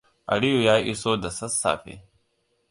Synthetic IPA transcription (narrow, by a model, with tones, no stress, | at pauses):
ɐ̰˨ɽi˦ju˨jaː˦jʔi˦so˦d̪ɐ˨sɐ˦sːa̰ː˨fḛ˨